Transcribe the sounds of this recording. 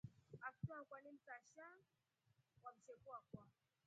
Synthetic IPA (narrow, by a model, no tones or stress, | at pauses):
aktɔakwanim̩taʃa | wam̩ʃɛkuakwa